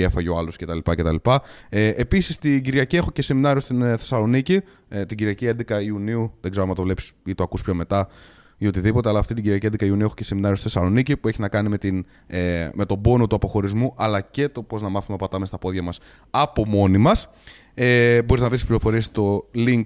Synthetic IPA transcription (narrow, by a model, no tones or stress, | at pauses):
efɐʝoɐlosce̞t̪ɐlipɐce̞t̪ɐlipɐeepisist̪iɟiɾʝɐciexo̞ce̞se̞minɐɾio̞st̪inθe̞sɐlo̞nici | t̪iɟiɾiɐciend̪ekɐiuniuðeɡzeɾoemɐt̪o̞vle̞pi̥sit̪oɐkuspço̞me̞t̪ɐ | iot̪iðipo̞t̪e̞ɐlɐft̪it̪iɲɟiɾiɐciend̪ekɐiuniuexoce̞se̞minɐɾiost̪iθesɐlo̞nicipueçinɐkɐnimet̪in | me̞t̪o̞bo̞no̞t̪uɐpo̞xo̞ɾizmuʔɐlɐce̞t̪o̞po̞znɐmɐθumepɐt̪ɐmest̪ɐpo̞ðʝɐmɐs | ɐpo̞mo̞nimɐs | eboɾiznɐvɾisi̥spliɾo̞fo̞ɾiest̪o̞liŋk